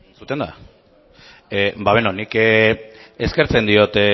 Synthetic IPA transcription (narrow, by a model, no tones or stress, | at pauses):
nt͡sut̪e̞nd̪a̰ | ebaβenonik | eske̞ɾt͡se̞nd̪io̞t̪